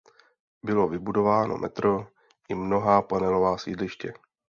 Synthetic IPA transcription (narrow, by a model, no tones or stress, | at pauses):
bɪlo̞vɪbudo̞vaːno̞̰mʔɛ̰t̪ɾo̞ | ʔɪmno̞ɦaːpanɛlo̞vaːsḭːdlɪʃcɛ